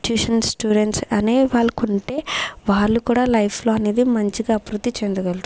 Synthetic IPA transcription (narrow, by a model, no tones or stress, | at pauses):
ʈjuːʂɐnsʈjuːɖeɳʈsɐneːʋaːɭːɐkuɳʈe̞ːʋaːɭːukuːɽaːlɐjpʰlo̞ːɐne̞ːd̪imɐɲt͡ʃiɡaːɐpɾud̪ːit͡ʃend̪uɡɐlʈ̪